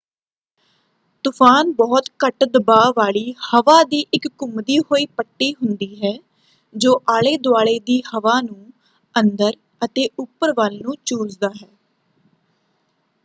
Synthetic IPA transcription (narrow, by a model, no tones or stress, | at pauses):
t̪ʊpʰaːnbɔːt̪kəʈd̪əbaːʋaːɭiːhəʋaːd̪iːʔɪkːʊmd̪iːɦoːiːpəʈːiːɦʊnd̪iːɦɛː | d͡ʒoːʔaːɭeːd̪ʊaːɭeːd̪iːhəʋaːnũː | ənd̪əɾ | ət̪eːʔʊpːəɾʋaːlnũːt͡ʃuːzd̪aːɦɛː